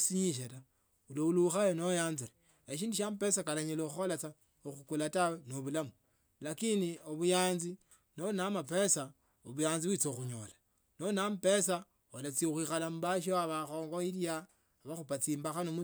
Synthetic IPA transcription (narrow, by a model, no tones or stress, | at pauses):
siɲiʃ̬eta | ulouluxajenojaːnziɾe | eʃiːndiʃ̬ampe̞sakalaɲelouxolat͡sa | oxukulatawenoβulamu | lakinioβujaːnzi | nonamape̞sa | oβujaːnziβwit͡soxuɲo̰la | nonampe̞sa | olat͡siexwixalamuβaʃ̬oaβaxo̞ːŋɡoiljaː | βaxupat͡siːmbaxanomu